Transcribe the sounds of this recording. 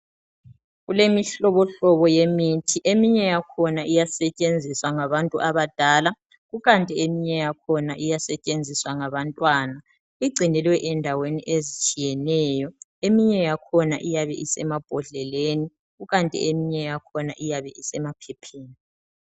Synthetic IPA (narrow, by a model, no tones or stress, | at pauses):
ɣulemiɬɔβɔɬɔβɔjemitʰiʔemiɲɛjakʰɔnaʔijasɛt͡ʃʼend͡zʱiswaŋaβantʼuʔaβad̥ʱala | ɣuɣantʼiemiɲɛjakʰɔnaʔijasɛt͡ʃʼend͡zʱiswaŋaβantʼwaːna | iɡ͡ǀʱinɛlwɛʔɛndʱaweniʔezit͡ʃʼijɛnɛjɔemiɲɛjakʰɔnaʔijaβɛʔisɛmab̥ʱɔɮɛleːni | ɣuɣantʼḭemiɲɛjakʰɔna̰ʔijaβɛisɛmapʰɛpʰeːni